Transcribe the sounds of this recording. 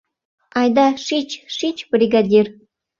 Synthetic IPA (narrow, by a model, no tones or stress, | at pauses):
ɑjd̪ɑʃit͡ɕʃit͡ɕbrʲiɡadʲir